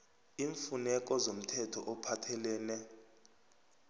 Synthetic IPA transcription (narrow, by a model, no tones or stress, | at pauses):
iːɱfunɛk̬ʼɔzom̩tʰɛtʰɔʔɔpʰatʰɛlɛːnɛ